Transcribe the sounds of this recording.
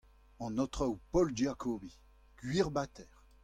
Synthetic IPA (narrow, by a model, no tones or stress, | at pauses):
ɑ̃nɔt̪χaupɔlʒakɔbi | ɡ̥ɥiʁbat̪ɛːʁ